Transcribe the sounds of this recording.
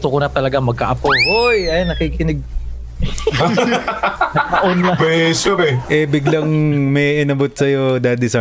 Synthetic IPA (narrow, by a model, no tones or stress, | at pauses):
t̪okʊnɐt̪ɐlɐɡamɐɡ̚kɐ̰ʔɐpoʔojɐjnːɐkiːkɪnɪɡ̚ | ɐɐʔonɐpɛsoɾɛʔɛbɪɡlɐŋmɛʔɪnɐbot̪̚sɐjod̪ɐd̪ɪsa